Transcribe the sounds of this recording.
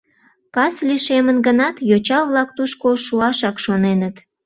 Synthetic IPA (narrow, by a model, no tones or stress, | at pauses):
kɑsliʃemənɡənɑt̪jot͡ɕɑβlɑk̚t̪uʃkoʃuɑʃɑkʃonenət̪